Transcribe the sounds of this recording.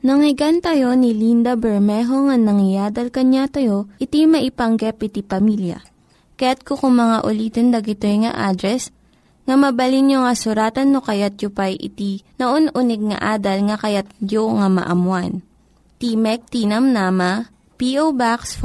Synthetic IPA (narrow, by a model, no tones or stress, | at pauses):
nɐŋɪɡant̪ɐjo̞nilind̪ɐbɛɹmɛːɦo̞ŋɐnɐŋɪjaːd̪ɐlkɐɲat̪ɐjoʔɪt̪imɐʔɪpɐŋɡɛpʔɪt̪ipɐmiljɐ̰ | kɐjat̪̚kokʊŋmɐŋaʔʊliːt̪ɛnd̪ɐɡɪt̪ojŋɐ̰ʔaːd̪ɾɛs | ŋɐmɐbɐlinjoŋɐsʊɾaːt̪ɐnːokɐjat̪̚jʊpɐjʔɪ̰t̪inoʔonʔʊnɛɡ̚ŋɐ̰ʔaːd̪ɐlŋɐkɐjat̪̚d͡ʒjoŋamɐ̰ʔɐ̰mwan | t̪imɛk̚t̪inɐmnaːmɐ | piʔowbaks